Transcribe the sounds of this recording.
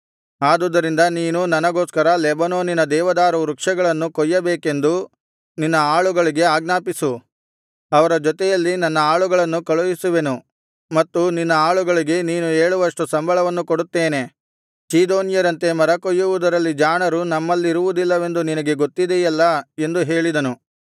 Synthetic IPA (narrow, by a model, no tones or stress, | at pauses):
aːd̪ud̪ɐɾind̪ɐniːnunɐnɐɡo̞ːskɐɾɐlɛbɐnoːninɐd̪ɛːʋɐd̪aːɾɐɾukʂɐɡɐɭɐnːukɔjːɐbeːke̞nd̪u | ninːɐaːɭuɡɐɭiɡe̞aːɡnaːpisu | ɐʋɐɾɐd͡ʒɔt̪ɛjɐlːinɐnːɐaːɭuɡɐɭɐnːukɐɭujisuʋe̞nu | mɐt̪ːuninːɐaːɭuɡɐɭiɡe̞niːnueːɭuʋɐʂʈusɐmbʱɐɭɐʋɐnːukoɽut̪ːeːne̞ | t͡ʃiːd̪oːnjɐɾɐnt̪e̞mɐɾɐkɔjːuʋud̪ɐɾɐlːid͡ʒaːnɐɾunɐmːɐlːiɾuʋud̪ilːɐʋe̞nd̪uninɐɡe̞ɡo̞t̪ːid̪ejɛlːɐe̞nd̪uɦe̞ːɭid̪ɐnu